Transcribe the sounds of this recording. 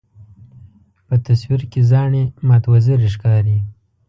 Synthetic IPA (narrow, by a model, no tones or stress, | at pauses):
pət̪aswiɾkezɑɳemat̪waziɾiʃkɑɾi